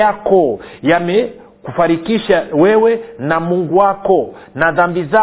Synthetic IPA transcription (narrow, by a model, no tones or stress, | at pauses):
akɔjamɛ | kufaɾikiʃawɛwɛnamuŋɡuwakɔnaðambiza